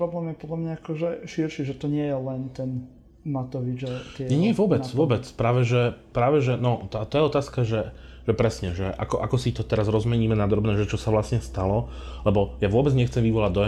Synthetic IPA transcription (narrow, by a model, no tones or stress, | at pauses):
pɾɔblɛːmjɛpɔd̪lamɲaakɔʒɛʃiɾʃiʒɛt̪ɔɲɪɛjɛlɛnt̪ɛn | mat̪ɔʋid͡ʒat̪ɪɛɲɛɲɪɛʋʊɔbɛt͡sʋʊɔbɛt͡spɾaːʋɛʒɛpɾaːʋɛʒɛnɔt̪at̪ɔjɛɔt̪aːskaʒɛʒ̥ɛpɾɛsɲɛʒɛʔa̰kɔʔakɔsit̪ɔt̪ɛɾazɾɔzmɛɲiːmɛnad̪ɾɔbnɛːʒɛt͡ʃɔsaʋlasɲɛst̪alɔlɛbɔjaʋʊɔbɛd͡zɲɛxt͡sɛmʋiʋɔlaɟd̪ɔɛ